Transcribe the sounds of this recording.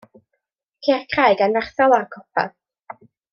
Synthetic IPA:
kʰeːrkʰrajɡanvarθɔlˠarkʰɔpʰa̰θ

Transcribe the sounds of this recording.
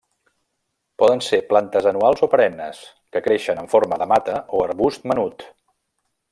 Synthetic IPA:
pɔðənseplant̪əzənualˠzopəɾɛnːəs | kəkɾeʃənəɱfoɾməðəmat̪əoəɾβust̪̚mənut̪

